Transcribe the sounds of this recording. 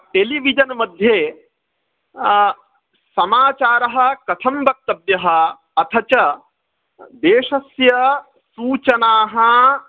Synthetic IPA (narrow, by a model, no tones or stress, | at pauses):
ʈeliʋid͡ʒɐnmɐd̪ʱjeː | sɐmaːt͡ʃaːɾɐɦɐ̆kɐt̪ʰɐmbʱɐk̚t̪ɐbjɐɦɐ̆ | ɐt̪ʰɐt͡ʃɐ | d̪eːʂɐsjɐ | suːt͡ʃɐnaːɦɐ